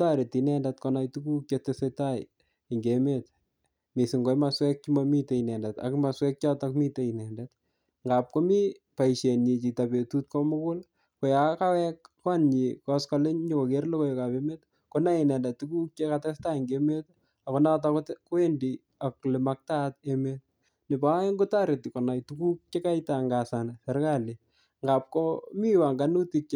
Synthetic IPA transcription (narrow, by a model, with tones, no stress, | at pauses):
ta˦ɾe˨tinɛndɛt̚kɔnajtuku˦k̚jetesetaj | ŋɡeme˦t | mi˨sɪ˨ŋɡo˨jmaswɛ˦k̚t͡ʃimami˦te˨inɛ˨ndɛta̰kma˨swɛ˦k̚t͡ʃa˦takmi˦te˨inɛ˨ndɛt̚ | ŋɡa˨p̚ko˦mi˦ | pa˨iʃe˨ni˨t͡ʃi˨ta˨pe˨tu˦t̚ko˦mʊ˦kʊ˦l | ko˨ja˨ka˦wɛkːa˦nɲikɔskɔlɪ˦ɲɲoko˨keɾlo˦ko˦joka˨peme˦t | kona˦ɪnɛ˨ndɛ˨tːuku˦k̚t͡ʃekatɛsta˦ŋɡeme˦t | akonat̬aktko˦e˦ndi | aklɪ˨mak̚tat̚emet | nɪ˨ba˦ŋɡʊ˦taɾe˨ti˨kɔ˨na˨jtuku˦k̚t͡ʃe˦ka˦jta˨ŋɡa˨sansɛ˨ɾkali | ŋɡap̚komi˦wa˨ŋɡanu˦tik̚t͡ʃ